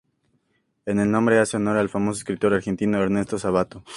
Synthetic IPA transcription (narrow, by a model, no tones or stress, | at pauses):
ene̞lnõmbɾe̞aseonoɾaelfamo̞soeskɾit̪o̞ɾaɾxe̞nt̪ino̞eɾne̞st̪o̞saβat̪o